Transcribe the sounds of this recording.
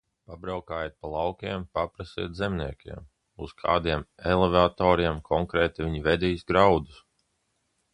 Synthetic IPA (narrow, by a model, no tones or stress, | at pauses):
pabɾawkaːjeːt̪̚palˠawkʲiɛmpapɾasḭɛt̪zɛmniɛkʲḭɛm | uskʰa̰ːd̪iɛmɛlˠevat̪ɔːɾiɛmkʰɔŋkɾɛːt̪ivʲiɲivɛd̪iːjsɡɾawd̪us